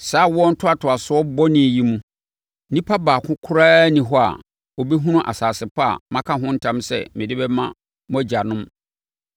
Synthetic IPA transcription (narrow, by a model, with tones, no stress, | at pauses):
saː˦wɔ˦n̩˦tʰʊ˦a˨tʰʊ˨a˨sʊ˦ɔ˦bɔ˦nɪ̃˨ji˦mũ˦ | nĩ˦pʰa˦baː˨kʰʊ̃˦kʰʊ˦ɾaː˦nĩ˨ɦɔ˦a̰˨ | ɔ˨bɛ˦ɦũ˦nʊ̃˦ʔa̰˨saː˨sɪ˨pʰa˦a̰˨mã˦kʰã˦ɦʊ̃˦n̩˦tʰã˦msɛ̰˦˨mɪ̃˨dɪ˦bɛ˦mã˦ | mʊ̃˦æ˦˨d͡ʑa˨nʊ̃˦m